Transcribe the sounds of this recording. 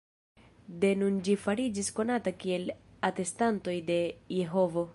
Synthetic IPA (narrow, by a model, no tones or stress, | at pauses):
de̞nund͡ʒifaɾid͡ʒisko̞natakie̞late̞stanto̞jde̞je̞ɦo̞vo̞